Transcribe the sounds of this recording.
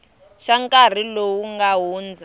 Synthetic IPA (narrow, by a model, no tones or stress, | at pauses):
ʃaŋkʼar̤ilowuŋɡaɦuːnd͡za